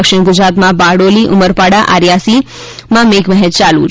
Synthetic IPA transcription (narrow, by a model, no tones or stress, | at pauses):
əkʃɪɳɡʊd͡ʒɾat̪mãbaɽoliʔʊməɾpaɽaʔa̰ɾjasi | mãmekmɛɦət̪t͡ʃalṵ̃